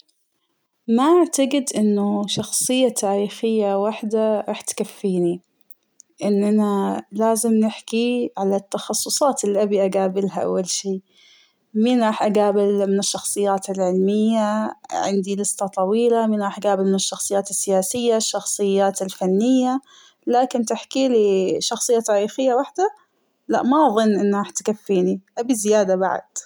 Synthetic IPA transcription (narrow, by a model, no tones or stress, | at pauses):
maʔaʕt̪aɡɪd̪ʔɪnːʊʃɑxsˤɨjːat̪ʰaːɾiːxɪjːawaħd̪aɾˤɑːħt̪kafːiːni | ʔɪnːʔanalaːzɪmnɪħkiʕalat̪ːɑxɑsˤːʊsˤɑːt̪ɪlːiʔabiʔaɡaːbɪlɦaʔa̰wːalʃiː | miːnɾˤɑːħʔaɡaːbɪlmɪnɪʃːɑxsˤɨjːaːt̪ɪlʕɪlmɪjːaʕɪ̰nd̪ilɨst̪ɑt̪ˤɑwiːlamiːnɾˤɑːħʔaɡaːbɪlmɪnɪʃːɑxsˤɨjaːt̪ɪsːɪjaːsɪjːaʃːɑxsˤɨjːaːt̪ɪlfanːɪjːa | laːkɪnt̪ɪħkiliʃɑxsˤɨjːat̪aːɾiːxɪjːawaħd̪a | la̰ʔmaʔɑðˤɨnːʔɪnːɾɑːħt̪kafːiːniʔabizɪjaːd̪aba̰ʕ̰d̪̥